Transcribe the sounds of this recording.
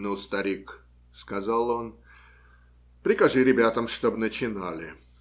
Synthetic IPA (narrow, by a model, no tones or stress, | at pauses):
nɨlˠst̪ɐɾʲik | skɐzalˠon | pɾʲɪkɐʐɨɾʲɪbʲat̪əmʂt̪obnət͡ɕɪnalʲɪ